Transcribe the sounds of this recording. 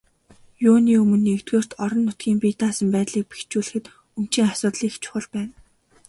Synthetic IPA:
jʊːniːɵmɵ̆nːekt̪ɡoːr̥t̪ɔɾɞ̆nːʊt̪̚ɡʲiːmpit̪aːsə̆mpæːt̪ɮiːk̚pe̥xt͡ɕuːɮɘ̆xɘ̆t̪ | ɵm̥t͡ɕiːŋasʊːt̪ɮiːxt͡ɕʰʊ̥χə̆ɮpæːn

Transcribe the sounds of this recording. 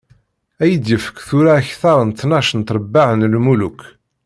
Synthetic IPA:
æjəd̪jəfə̥kːθʊɾaːçθɑɾˤənt̪ːnɑʃənt̪ɾˤəbːaʕənlmuluk

